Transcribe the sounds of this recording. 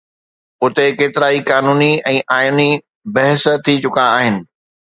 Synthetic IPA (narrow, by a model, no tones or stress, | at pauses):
ʊt̪ekeːt̪ɪɾaːikaːnuːniɛ̃ːʔaːjni | bɐɦəst̪ʰit͡ɕʊkaːɦɪnɪ̆